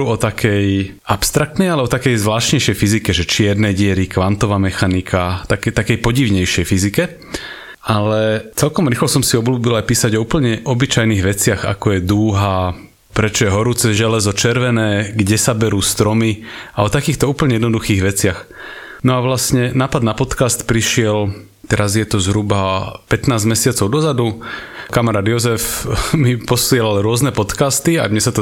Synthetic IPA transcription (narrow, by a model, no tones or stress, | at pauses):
uːɔt̪akʰɛjʔapst̪ɾakt̪nɛjalɛbɔt̪akɛjzʋlaːʃɲɛjʃɛjfizikɛʒɛt͡ʃɪɛɾnɛɟɪɛɾikʋant̪ɔʋaːmɛxanikʰat̪akɛt̪akɛjpɔɟiʋɲɛjʃɪɛjfizikɛ | ʔalɛt͡sɛlkɔmɾiːxlɔsɔmsiɔbluːbilajpiːsaɟɔuːpl̩ɲɛʔɔbit͡ʃajniːɣʋɛt͡sɪaɣa̰kɔjɛd̪uːɦa | pɾɛt͡ʃɔjɛɦɔɾuːt͡sɛʒɛlɛzɔt͡ʃɛɾʋɛnɛːɡɟɛsabɛɾuːst̪ɾɔmiaɔt̪akiːxt̪ɔuːpl̩ɲɛjɛd̪nɔd̪uxiːɣʋɛt͡sɪaxnɔaʋlasɲɛnaːpad̪napɔt̪kast̪pɾiʃɪɛl | t̪ɛɾazjɛt̪ɔzɦɾubapɛt̪naːzmɛsɪat͡sɔʊd̪ɔzad̪ukamɛɾaːd̪jɔzɛfmipɔsɪɛlalɾʊɔznɛpɔt̪kast̪ia̰d̪ɲɛsat̪ɔ